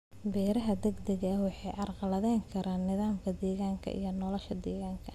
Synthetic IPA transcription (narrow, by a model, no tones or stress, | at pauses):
bɛːɾɐɦɐd̪ɐɡd̪ɐɣɐɐwɑħɑjʔɑrqɑlɐðɛːŋkʰɐɾaːnːɪðaːmkʰɐd̪ɛːɣaːŋkʰɐ̰ʔḭjɞnɔːlɔʃɐd̪ɛːɣaːŋkʰɐ